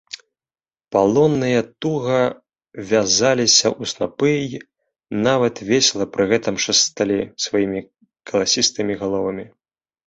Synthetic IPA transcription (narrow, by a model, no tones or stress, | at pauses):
palˠɔnːɨjɐt̪uɣɐ | vʲazalʲisʲɐ̰ʔusnapɨj | navɐt̪vʲeɛsʲlˠɐpɾɨɣɛt̪ɐmʂɐst̪alʲisvajimʲi | kɐlˠasʲist̪ɨmʲiɣalˠɔvɐmʲi